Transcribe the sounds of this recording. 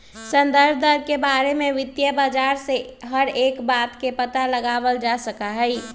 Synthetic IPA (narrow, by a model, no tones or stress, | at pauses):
sə̃nd̪əɾbd̪ʱəɾʱkebaːɾemẽʋɪt̪jəbad͡ʒaːɾseɦəɾeːkbaːt̪kepət̪aləɡaːʋəld͡ʒasəkaɦɛi